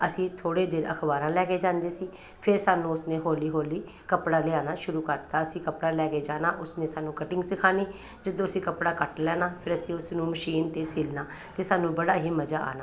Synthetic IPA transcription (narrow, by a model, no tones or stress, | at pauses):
əsĩːt̪ʰoːɽeːd̪ɪːnə̰kʰbaːɾãːlɛːkeːd͡ʒãːnd̪eːsiː | pʰɪɾsaːnũːʊsnẽːɦoːliːɦoːliː | kəpɽaːleaːnaːʃʊɾuːkəɾt̪aːəsĩːkəpɽaːlɛːkeːd͡ʒaːnaːʔʊsnẽːsaːnũːkəʈɪ̃ŋɡsɪkʰaːniː | d͡ʒəd̪õːəsĩːkəpɽaːkəʈlɛːnaːpʰɪɾəsĩːʊsnũːməʃiːnt̪eːsɪlnaː | t̪eːsaːnũːbəɽaːɦiːməd͡ʒaːa̰ːnaː